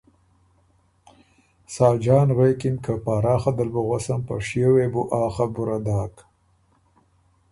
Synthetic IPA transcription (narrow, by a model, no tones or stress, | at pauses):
sɑːd͡ʒɑːnɣejkɪmkʰapɑːɾɑːxad̪albuɣasampa̰ʂjewebuʔɑːxabuɾad̪ɑːk